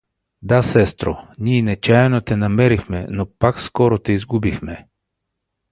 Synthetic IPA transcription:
d̪asɛst̪ɾo̰niɛnɛt͡ʃaɛnot̪ɛnamɛɾixmɛ̰nɔpakskɔɾot̪ɛizɡubixmɛ

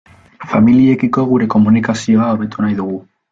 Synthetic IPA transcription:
familie̞kiko̞ɣ̞uɾe̞ko̞munikasio̞aoβe̞t̪unajðuɣ̞u

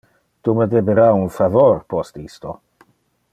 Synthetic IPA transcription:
t̪uməd̪ebeɾaunfavorpɔst̪ist̪o

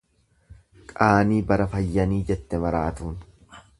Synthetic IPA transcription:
kʼaːniːbɐɾɐfɐjːɐniːd͡ʒɛt̪ːɛmɐɾaːt̪uːn

